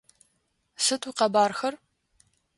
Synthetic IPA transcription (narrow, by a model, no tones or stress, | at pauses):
sɨtʰʼuqɐbaːrxɐr